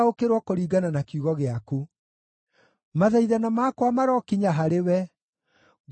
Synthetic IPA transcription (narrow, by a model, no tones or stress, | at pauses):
okeɾwɔkoɾiːɡananakjuɣɔɣeaku | maðaiðanamakwamaɾɔkiɲaɦaɾewɛ | ɣ